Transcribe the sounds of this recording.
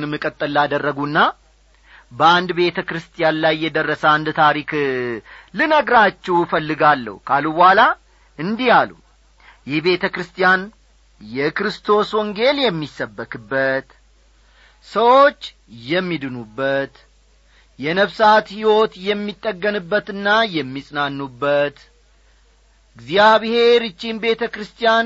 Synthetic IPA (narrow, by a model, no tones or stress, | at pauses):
nɨmːɨkʼət̪ʼːɨlːad̪ərːəɡunːa | bəand̪be̞t̪ʰəkɾɨst̪ʰʼijanlajːɛd̪ərːəsəand̪t̪ʰaɾik | lɨnəɡɾat͡ʃːɛwfəlːɨɡalːə̰hkʰalubhala | ʔɨnd̪ijalṵ | jɛhbe̞t̪ʰəkɾɨst̪ʰʼijan | jɛkɾɨst̪ʰo̞swɔŋɡe̞ljɛmːisːəbːəkʰʼɨbːət̪ | səwo̞t͡ʃː | jɛmːid̪ɨnubːət̪ | jɛnəβsat̪hiwo̞t̪jɛmːit̪ʼːəɡːənɨbːət̪ɨnːajɛmːisʼnanːubːət̪ | ɨɡzijaβhe̞ɾɨt͡ʃːinbe̞t̪ʰəkɾɨst̪ʰijan